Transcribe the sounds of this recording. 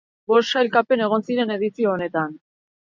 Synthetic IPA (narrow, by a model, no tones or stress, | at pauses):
bo̞sʃajlkape̞ne̞ɣ̞o̞nsiɾe̞ne̞ð̞isioːne̞t̪an